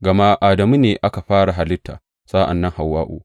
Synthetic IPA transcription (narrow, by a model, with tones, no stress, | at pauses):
ɡɐ˨ma˦ʔaː˨dɐ˨mu˦neː˨ʔa˦ka˨ɸaː˦ɽa˨ɦa˨lɪ˦tːa̰ː˨ | saː˦ʔa̰˨nːɐ˦ŋha˨wːaː˦ʔṵː˨